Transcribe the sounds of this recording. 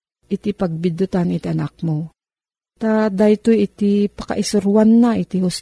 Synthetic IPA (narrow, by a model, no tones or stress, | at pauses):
ʔɪt̪ipɐɡ̚bɪd̪ʊt̪anit̪iɐnak̚mo | t̪ad̪ajt̪ojɪt̪ipɐ̥kɐ̰ʔɪsʊɾwanːaʔit̪iɦʊs